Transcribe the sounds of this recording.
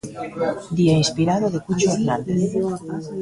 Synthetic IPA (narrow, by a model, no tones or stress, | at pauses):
d̪iainspiɾaðoðekut͡ʃoeɾnan